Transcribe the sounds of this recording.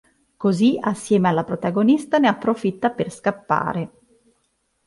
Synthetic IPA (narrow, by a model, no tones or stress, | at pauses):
koziasːjɛːmealːapɾot̪aɡonist̪aneapːɾofit̪ːaperskapːa̰ːɾe